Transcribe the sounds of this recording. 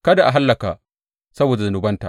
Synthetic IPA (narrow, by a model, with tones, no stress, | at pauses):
kɐ˦da˨ʔa˨ɦa˦lːɐ˨ka˨ | sɐ˦boː˨da˨zɐ˨nʊ˨bɐ˦nta̰˨ʔ